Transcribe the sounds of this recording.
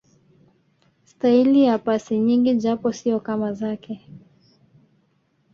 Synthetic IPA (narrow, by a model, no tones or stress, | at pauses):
stailijapasiɲiŋɡiʄapɔsiɔkamazakɛ